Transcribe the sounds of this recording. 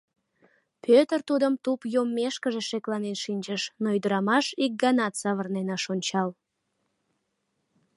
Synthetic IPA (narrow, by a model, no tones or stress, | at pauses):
pʰøt̪ərt̪ud̪əmt̪upjomːeʃkəʒeʃeklɑnenʃinʲt͡ɕəʃnoyd̪əɾɑmɑʃik̚ɡɑnɑt̪sɑβərnenɑʃonʲt͡ɕɑl